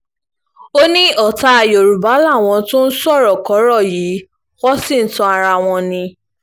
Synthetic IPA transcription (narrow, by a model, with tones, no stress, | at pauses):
o˦nĩ˦ɔ˦˨ta˨˧a˨jo˨ɾu˨ba˨˦la˦˨w̃ɔ̃˧tũ˦n̩˦sɔ˦˨ɾɔ˨kɔ˨˦ɾɔ˦˨jiː˨˦ | wɔ˦sĩ˦˨n̩˦tũ˧a˧ɾa˧˨w̃ɔ̃˧nĩ˧